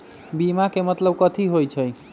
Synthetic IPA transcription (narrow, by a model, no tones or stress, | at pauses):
bimakemət̪ləb̚kət̪ʰiɦojt͡ʃʰəj